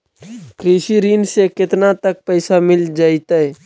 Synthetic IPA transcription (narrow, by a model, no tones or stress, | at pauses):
kɾiːʃiɾiːnsekɪt̪nat̪ək̚pɛɪsamɪld͡ʒaːɪt̪aɦɛ